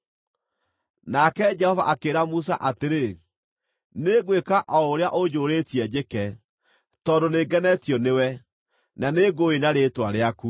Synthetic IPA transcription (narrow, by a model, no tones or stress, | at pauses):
nakɛd͡ʒɛhɔvaʔakeɾamus̬aʔateɾe | neɡwekaʔɔoɾeaʔod͡ʑoːɾetiɛd͡ʑekɛ | tɔdoneɡɛnɛtjɔnewɛ | naneɡoenaɾetwaɾeaku